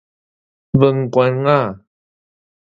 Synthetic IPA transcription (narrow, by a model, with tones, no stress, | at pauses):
və˨ŋkɔ˧nŋa˥˨